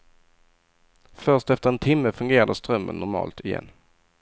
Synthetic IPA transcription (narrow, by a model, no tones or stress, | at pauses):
fœʂtɛft̪əɾɛnt̪ʰɪmːəfɵŋɡeːɾad̪əst̪ɾœmːə̰nːʊɾmɑ̰ːlt̪ʰɪjɛ̰nː